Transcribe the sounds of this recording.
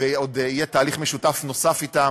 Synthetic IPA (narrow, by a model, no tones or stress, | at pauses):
eod̪ijɛtaːliχmeʃutafno̞safit̪a